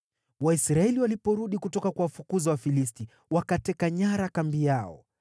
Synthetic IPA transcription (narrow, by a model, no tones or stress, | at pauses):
waisɾaɛliwalipɔɾuɗikutɔkakwawafukuzawafilis̬ti | wakatɛkaɲaɾakambijaɔ̰